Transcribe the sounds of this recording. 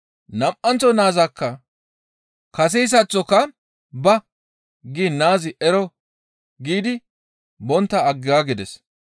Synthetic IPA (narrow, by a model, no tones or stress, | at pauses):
nɐmʔɐnt͡sːɔnaːzɐkːɐ | kɐs̬ɛjs̬ɐt͡sːɔkːɐ | bɐ | ɡɪnaːzɪʔɛɾɔ | ɡiːd̪ɪ | bɔnt̪ːɐːɡːɪaːɡɪd̪ɛs